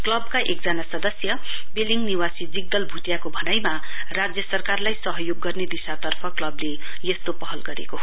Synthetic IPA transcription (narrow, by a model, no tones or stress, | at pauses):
klʌbkaʔekd͡zanasʌd̪ʌsjʌ | beliŋɡniwasid͡ziɡ̚d̪ʌlbʱuʈjakobʱʌnajma | rad͡zjʌsʌrkarlajsʌɦʌjoɡːʌrned̪isat̪ʌrpʰʌklʌblejʌst̪opʌɦʌlɡʌɾḛkoɦ